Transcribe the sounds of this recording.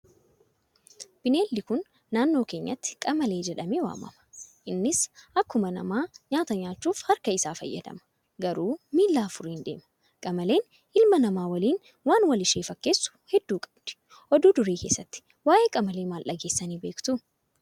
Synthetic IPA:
b̥ɪneːlːɪkʊnː | aːnːo̞ːke̞ːɲːɐ̰t̪ːɪ̥kʼɐmɐle̞ːd͡ʒɛᶑɐmeːwa̰ːmɐ̰mɐ̥ʔɪnːɪsʔɐkːʊmɐnɐ̰maːɲaːt̪ɐɲaːt͡ʃːuːfhɐɾkɐɪsaːfɐ̰jːɐ̰d̪ɐ̰mɐ̥ | ɡɐɾuːmiːlːaːfʊɾiːnd̪e̞̰ːmɐ̥ | kʼɐmɐle̞ːn | ʔɪlmɐnɐmaːwɐliːn | waːnwɐlɪʃeːfɐkːeːsːʊ̥hɛd̪ːuːkʼɐ̥b̥d̪̥ɪ̥ | ʔɔd̪uːd̪ʊɾeːke̞ːsːɐt̪ːɪ̥ | waːʔe̞ːkʼɐmɐleːmaːlʔɐɡe̞ːsːɐniːbe̞ːkt̪ʊ

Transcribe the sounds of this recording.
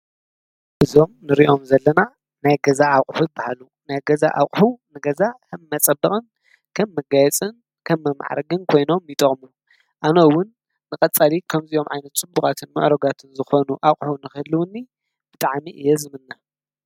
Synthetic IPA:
ʔɨzo̞mnɨɾiʔo̞mzɐlːɐna | najɡɐzaːwqʼħujɨbahalu | najɡɐza̰ʔa̰wkʼħunɨɡɐzakʰɐmːɐt͡sʼɐbːɐχʼɨn | kʰɐmːɐɡajɛt͡sʼɨn | kʰɐmːɐma̰ʕa̰ɾɡɨnkʰo̞jno̞mjɪt̪ʼɐχʼmu | ʔanɐwʊnː | ɨkʼɐt͡sʼalikʰɐmziʔo̞mʕajnɐt̪̚t͡sʼɨbːuxʼat̪ʰɨnmɨ̰ʕɾoɡat̪ʰɨnzɨxo̞nuʔawχʼħunɨxɨlːɨwnːi | b̥ɨt̪ʼaʕmiʔɨjːɛzɨmɨnːa

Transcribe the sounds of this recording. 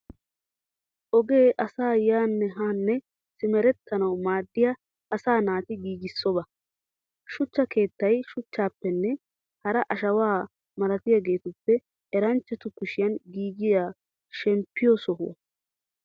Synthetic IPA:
ʔɔɡe̞ːʔɐsaːjaːnːɛɦaːnːɛ | sɪmɛɾɛt̪ːɐnɐwmaːd̪ːɪjɐ | ɐsaːnaːt̪ɪɡiːɡɪsːɔbɐ | ʃʊt͡ʃːɐke̞ːt̪ːɐjʃʊt͡ʃːaːpːɛnːɛ | hɐɾɐʔɐʃɐwaː | mɐlɐt̪ɪjaɡe̞ːt̪ʊpːɛ | ɛɾɐnt͡ʃːɛt̪ʊkʊʃɪjɐnɡiːɡɪjaː | ʃɛmpːɪjosɔɦʊ̰ɐ̰

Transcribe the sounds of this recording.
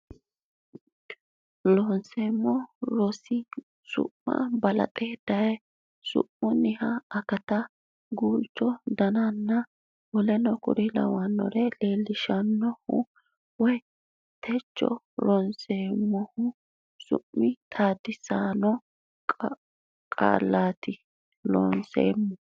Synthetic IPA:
lɔnseːmːɔɾɔsɪ | sʊ̰ʔːɐ̰bɐlɐ̰t̪ʼeːd̪̥ɐj | sʊ̰ʔmɔnɪhɐːkɐt̪ɐ | ɡuːlt͡ʃːɔd̪ɐnanːɐ | wɔlɛnɔkʊ̰ɾɪlɐ̰wɐnːɔ̰ɾɛle̞ːlːɪʃɐnːɔhʊ̰ | wɔj | t̪ʰɛt͡ʃːɔ̰ | ɾɔnseːmːɔhʊ | sʊ̰ʔmːɪt̪ʼaːd̪ɪsaːnɔ | kʼa̰ːlːaːt̪ɪ | lɔ̰nsḛːmːɔ

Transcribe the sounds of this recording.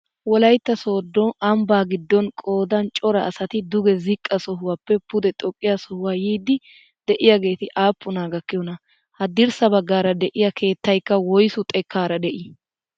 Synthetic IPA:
wɔlɐjt̪ːɐsoːd̪ːɔɐmbaːɡɪd̪ːɔnkʼo̞ːd̪ɐnt͡ʃʼɔɾɐːsɐt̪ɪd̪ʊɡɛzɪkʼːɐsɔɦʊwɐpːɛpʊd̪ɛt̪ʼɔkʼːɪjasɔhʊwaːjiːd̪ɪ | d̪̥ɛʔɪjɐɡe̞ːt̪ɪʔaːpːʊnaːɡɐkːɪjɔnɐ | hɐd̪ɪɾsɐbɐɡːaːɾɐd̪ɛʔɪjɐkʰe̞ːt̪ːɐjkːɐwɔjsʊt̪ʼɛkːaːɾɐd̪ɛʔɪ

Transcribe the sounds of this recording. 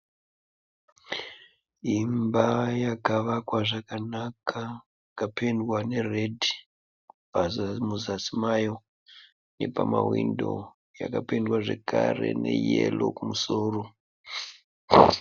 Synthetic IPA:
imbajakaʋakwaʐakanakʰa | kapendwane̞redʱi | pazmuzasimajo̞ | ne̞pamawindo̞ | ja̰kapendwaʐe̞kare̞ne̞jelokumusoːro

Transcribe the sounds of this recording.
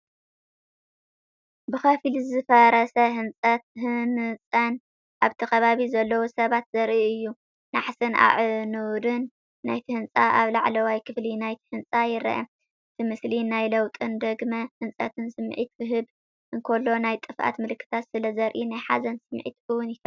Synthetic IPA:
bɨxɐfilzzɨfɐɾɐsɐɦɨnt͡sʼɐt̪̚hɨnɨt͡sʼɐn | ʔaβt̪ʰɐkɐβaβizɐlːɐwosɐβat̪zɐɾʔiɨjːu | naħsɨnʔa̰ʕɨnɨwd̪ɨnː | ajt̪ʰɨhɨnt͡sʼaʔaβlaʕlɐwajkʰɨflinajt̪ʰɨ̥hɨnt͡sʼajɪɾɐ̰ʔɐ̰ | ɨt̪ʰimɨslinajlɐwt̪ʼɨnd̪ɐɡmɐhɨnt͡sʼɐ̰t̪ʰɨnsɨmʕit̪kʰɨɦɨb | ʔɨŋkʰolːo̞najt̪ʼɨfʔa̰t̪mɨlɨkːɨ̥t̪ʰat̪sɨlɐzɐɾʔinajħazɐnsɨmʕḭt̪kɨwʊnjɪk̪ʰɐ

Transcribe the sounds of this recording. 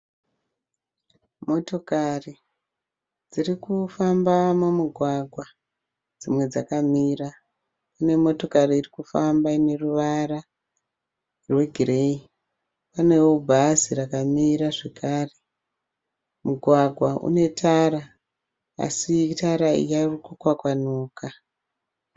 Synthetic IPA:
mo̞to̞kari | d͡zirikufambamumuɡʱwaɡʱwa | d͡zimwe̞d͡zakamiːra | kune̞mo̞to̞kariːrikufambaine̞ruʋara | rwe̞ɡʱirei | pane̞wubʱazirakamiɾaʐe̞kaːre | muɡʱwaɡʱwaṵne̞taɾa | a̰sitaɾaḭjairukukwakwanuːka

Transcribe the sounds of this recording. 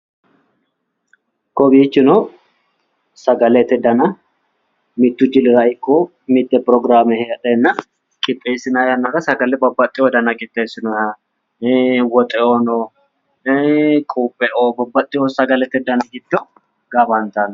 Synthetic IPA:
kɔbiːt͡ʃːɪnɔ | sɐɡɐlɛt̪ːɛd̪ɐnɐ | mɪt̪ːʊd͡ʒɪlɪɾɐɪkːɔ | mɪt̪ːɛpɾɔɡɾaːmɛhɛɐᶑɛnːɐ | kʼɪpʼːɛsɪnajɐnːɐɾɐsɐɡɐlɛbɐbːɐt̪ʼːɪɔd̪ɐnɐɡɪt̪ːɛsɪnɔha | wɔt̪ʼɛonɔ | kʼuːpʼːɛʔobɐbːɐt̪ʼːɪjɔsɐɡɐlɛt̪ɛd̪ɐnɐɡɪt̪ːɔ | ɡ̥ɐbant̪ɐn

